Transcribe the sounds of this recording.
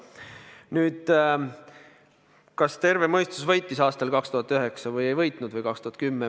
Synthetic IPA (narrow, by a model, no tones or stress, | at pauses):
nyːd̪̥ | kɑst̪e̞rvemɤjst̪usvɤjt̪ːˑisɑːst̪ɑlkɑkst̪uɦɑt̪ːˑyɦe̞ksɑvɤje̞jvɤjt̪ˑnud̪vɤjkɑkst̪uhɑt̪kymːe